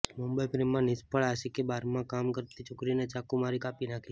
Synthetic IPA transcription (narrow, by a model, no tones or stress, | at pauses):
mumbəipɾimːãnɪspəɭaʃikebaɾmãkamkəɾt̪it͡ʃʰokɾinet͡ʃakumaɾikapinakʰi